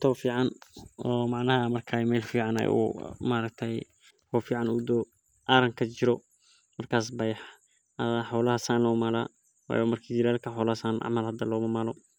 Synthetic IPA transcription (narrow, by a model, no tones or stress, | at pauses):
t̪ʰɔwfiːʕɑnɔːmɑʕnɐɦɐmɐrkʰaːmɛːlfiːʕɑnɛ̰jṵmaːɾɐk̚t̪ʰɛj | wɔːfiːʕɑnʊd̪ɔː | ʔaːɾɐŋkʰɐt͡ʃɪɾɔ | mɐrkʰaːs̬bɐjħ | ħɔwlɐhɐsaːnlɔːmaːlaː | wa̰ːjɔmɐrkʰiːd͡ʒɪɾɐlkʰɐħɔwlɐhsaːnʔɑ̰ʕmɐlɦhɐd̪ɐlɔːmɐmaːlɔ